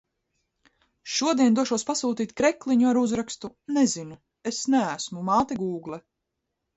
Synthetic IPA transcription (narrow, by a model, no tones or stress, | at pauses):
ʃuɔd̪iɛnd̪ɔʃuɔspasuːt̪iːt̪ʲkɾɛklˠiɲuaɾuzɾakst̪unezinu | esnææsmumaːt̪ɛɡuːɡlˠɛ